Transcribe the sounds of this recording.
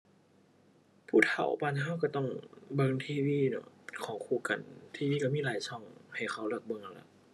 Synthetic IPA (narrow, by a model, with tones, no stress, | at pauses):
pʰuː˧˩t̪ʰa̰˨˩wpaː˧nɦa˧˥˨wka˧˩t̪ɔ˧˥˩ŋbɤ˧˨ŋt̪ʰiː˧˨wiː˧˥˨nɔ̰˧˩kʰɔː˨˩˦kʰuː˧˨ka˨˩nt̪ʰiː˧wiː˧˨a˧˩miː˧˥˨laː˨˦jsʰɔ˧˩ŋha˨˩jxʰa˧˩wla˧˩k̚bɤ˧˨ŋʔa˧˩la̰˧˦